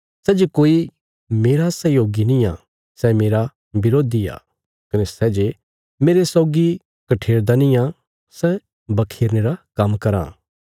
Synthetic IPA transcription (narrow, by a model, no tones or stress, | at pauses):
sɛːd͡ʒekoːi | meːɾasɛjoːɡinĩja | sɛmeːɾa | bɪɾoːd̪ija̰ː | kɐnɛsɛːd͡ʒe | meːɾesɔːɡi | kɐʈʰeːɾd̪anĩja | sɛ | bɐkʰeːɾneːɾakɐmkɐɾã̰ː